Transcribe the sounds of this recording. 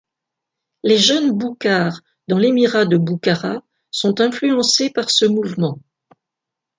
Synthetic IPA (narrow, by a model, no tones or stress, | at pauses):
leʒənbukaʁ | d̪ɑ̃lemiʁad̪əbukaʁa | sɔ̃t̪ɛ̃flyɑ̃sepaʁsəmuvmɑ̃